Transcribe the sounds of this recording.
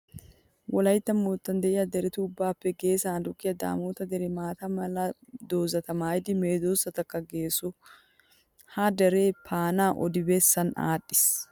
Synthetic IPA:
wɔlɐjt̪ːɐmːoːt̪ːɐnd̪ɛʔɪjɐd̪ɛɾɛt̪uːbːaːpːɛɡe̞ːsɐnd̪ʊkːɪjɐd̪a̰ːmoːt̪ɐd̪ɛɾɛmaːt̪ɐmɐlɐd̪o̞ːzɐt̪ɐmaːjɪd̪ɪme̞ːd̪oːsːɐt̪ɐkːɐɡe̞ːsʊ | had̪ɛɾe̞ːpʰaːnaːʔɔ̰d̪ɪbesːɐna̰ːᶑːɪ̥s

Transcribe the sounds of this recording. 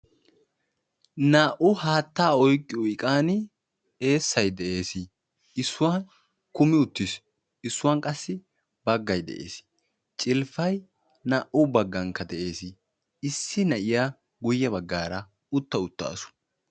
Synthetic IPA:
naːʔʊhaːt̪ːaːɔjkʼːɪʊɪkʼaːnɪ | e̞ːsːɐjd̪ɛʔe̞ːsɪ | ɪsːʊwan | kʊmɪʊt̪ːɪs | ɪsːʊwankʼɐsːɪ | bɐɡːɐjd̪ɛ̰ʔḛːs | t͡ʃʼɪlfɐj | naːʔʊbɐɡːɐŋkːɐd̪ɛʔe̞ːsɪ | ɪsːɪnɐʔɪja | ɡʊjːɛbɐɡːaːɾɐ | ʊt̪ːɐʊt̪ːa̰ːsʊ̥

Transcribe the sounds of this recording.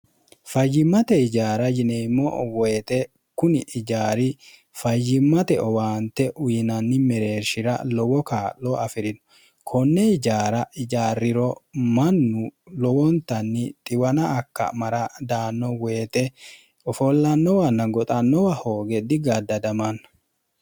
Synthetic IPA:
fɐjːɪmːɐt̪ɛɪd͡ʒaːɾɐjɪnemːɔ̰weːt̪ɛ | kʊnɪʔɪd͡ʒaːɾɪ | fɐjːɪmːɐt̪ɛɔwaːnt̪ɛʔʊjɪnɐnːɪmɛɾe̞ːʃɪɾɐ̰lɔwɔkaːlːɔɐfɪɾɪnɔ̥ | kʰɔnːɛɪd͡ʒaːɾɐɪd͡ʒaːrːɪɾɔmɐnːʊlɔwɔnt̪ɐnːɪt̪ʼɪwɐnɐːkːɐ̰mɐɾɐd̪aːnːɔweːt̪ɛ | ɔfɔlːɐnːɔwɐnːɐɡɔt̪ʼɐnːɔwaho̞ːɡɛd̪ɪɡɐd̪ɐd̪ɐmɐnːɐ̥

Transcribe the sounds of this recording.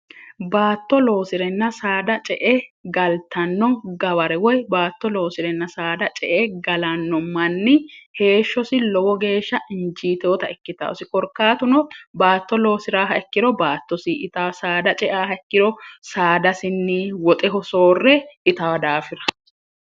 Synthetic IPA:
baːt̪ːɔlo̞ːsɪɾɛnːɐsaːd̪ɐt͡ʃʼɛʔɛɡɐlt̪ɐnːɔɡɐβɐɾɛwɔjbaːt̪ːɔlo̞ːsɪɾɛnːɐsaːd̪ɐt͡ʃʼɛ̰ʔɛɡɐlɐnːɔmɐnːɪhe̞ːʃːɔsɪlɔwɔɡe̞ːʃːɐʔɪnd͡ʒiːt̪oːt̪ɐɛkːɪt̪a̰ːɔsɪkʼɔɾkːaːt̪ʊnɔbaːt̪ːɔlo̞ːsɪɾaːɦɐɛkːɪd̪ɔbaːt̪ːɔsiʔɪt̪ɐsaːd̪ɐt͡ʃʼɛʔaːɦɐɛkːɪdɔsaːd̪ɐsɪnːɪwɔt̪ʼɛɦɔso̞ːrːɛɪt̪ɐwɐd̪aːfɪɾɐ̥

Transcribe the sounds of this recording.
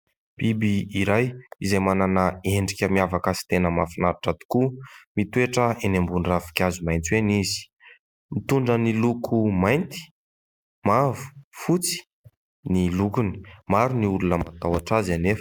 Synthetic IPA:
b̥ibiiɾajizajmananəeɳɖ͡ʐikʲəmiavakasi̥t̪enəmafinaɾaʈ͡ʂat̪i̥kumit̪ueʈ͡ʂəenembunrafi̥kʲazumajnt͡s̪iweniz̥i̥ | mit̪uɳɖ͡ʐənilukʰumajnt̪i̥ | mavu̥fut͡si̥ | nilukuni̥maɾuniulunəma̰t̪awaʈ͡ʂazanef

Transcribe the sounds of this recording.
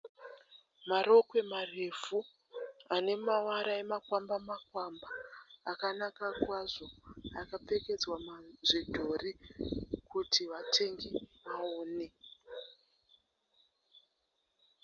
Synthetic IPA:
maɾo̞kwe̞marevu | ane̞mawaɾaemakwambamakwambaːkanakakwaʐo̞akape̞ke̞d͡zwamaʐidʱo̞ri | kutʰiʋatʰe̞ŋɡiʋaoːne̞

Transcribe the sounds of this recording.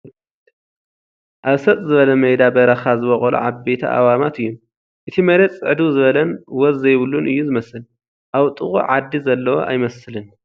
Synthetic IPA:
ʔaβsɐt̪ʼzɨβɐlɐmɐjd̪abɐɾɐxazɨβɐχʼɐlṵʕabet̪ʰɐ̰ʔa̰wamat̪ɨjːom | ʔɨt̪ʰimɐɾet͡sʼɨʕd̪uzɨβɐlɐnwɔzːɐjβɨlːunʔɨjːuzɨmɐsɨl | ʔawt̪ʼɨxʼṵʕad̪ːizɐlːɐwo̰ʔa̰jmɐsɨlɨn

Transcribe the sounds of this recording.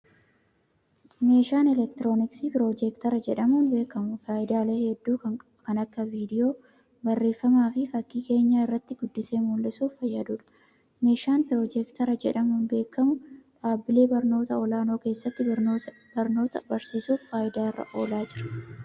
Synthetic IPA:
me̞ːʃaːnɛlɛk̚t̪ɪɾo̞ːnɪksipɪɾo̞ːd͡ʒɛkt̪ɐɾɐd͡ʒɛᶑɐmuːnbe̞ːkːɐmʊfaːʔɪd̪aːleːhɛd̪ːuːkɐŋ | kɐnɐkːɐviːd̪ɪjo̞ː | bɐrːe̞ːfːɐmaːfɪfɐkːiːke̞ːɲːaːɪrːɐt̪ːɪɡʊd̪ːɪseːmulːɪsuːffɐjːɐd̪uːᶑɐ̥ | me̞ːʃaːnpɪɾoːd͡ʒɛkt̪ɐɾɐd͡ʒɛᶑɐmʊʊnbe̞ːkːɐmʊᶑaːbɪle̞ːbɐɾno̞ːt̪ɐɔlaːnoːke̞ːsːɐt̪ːɪ | bɐɾno̞ːt̪ɐ̰bɐɾsiːsuːffaːʔɪd̪aːɪrːɐ̰ʔo̞ːlaːd͡ʒɪɾɐ̥

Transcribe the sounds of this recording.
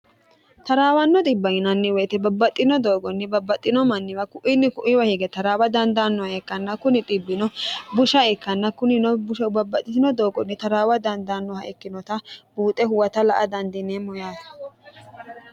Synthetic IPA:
t̪ɐɾaːwɐnːɔt̪ʼɪbːɐɡɪnɐnːɪwɛt̪ɛbɐbːɐt̪ʼːɪnɔd̪o̞ːɡɔnːɪbɐbːɐt̪ʼːɪnɔmɐnːɪwɐkʊʔɪnːɪkʊʔɪwɐhɪɡɛt̪ɐɾaːwɐd̪ɐnd̪anːɔhɐɛkːɐnːɐkʊnɪt̪ʼɪbːɪnɔbʊʃɐɛkːɐnːɐkʊnɪnɔbʊʃbɐbːɐt̪ʼːɪt̪ɪnɔd̪o̞ːɡɔnːɪt̪ɐɾaːwɐd̪ɐnd̪anːɔhɐʔɛkːɪnɔt̪ɐb̥uːt̪ʼɛhʊwɐt̪ɐlɐʔɐd̪ɐnd̪ɪnemɔjaːsɐ̥

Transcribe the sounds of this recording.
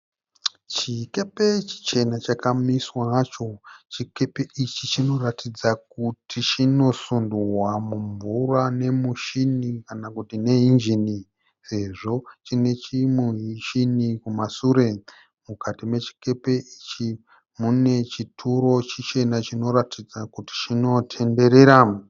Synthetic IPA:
t͡ʃike̞pe̞t͡ʃi̥t͡ʃe̞nat͡ʃakamiswat͡ʃo̞t͡ʃike̞pe̞it͡ʃit͡ʃino̞ratʰid͡zak̚utʰit͡ʃino̞sunduwamuɱvurane̞muʃinikanakutine̞ɦind͡ʒini | se̞ʐo̞t͡ʃine̞t͡ʃimuɦiʃinikumasuːɾe̞ | mukʰatimwe̞t͡ʃi̥ke̞peit͡ʃi | mune̞t͡ʃitʰuɾo̞t͡ʃit͡ʃe̞nat͡ʃino̞ɾatʰid͡zakuti̥t͡ʃino̞tʰe̞nde̞ɾe̞ɾa

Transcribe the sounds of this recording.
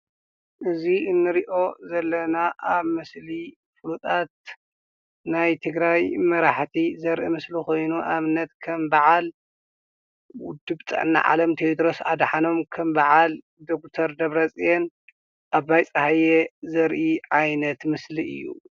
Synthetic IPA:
ʔɨziɨnːɨɾiʔo̞zɐlːɐnaʔaβmɨsli | fɨlut̪ʼat̪̚ | najt̪ʰɨɡɾajmɐɾaħt̪ʰizɐɾʔimɨsliko̞jnuʔaβɨnɐt̪kʰɐmbaʕal | wʊ̰d̪ɨbt̪ʼɨ̰ʕnːa̰ʕa̰lɐmt̪ʰeod̪ɾo̞sad̪ħano̞mkʰɐmbaʕal | d̪ok̚t̪ʰɐɾd̪ɐβɾɐt͡sʼen | ʔaβajt͡sʼɐhajezɐɾʔiʕajnɐt̪mɨsliʔɨ̰jːṵ

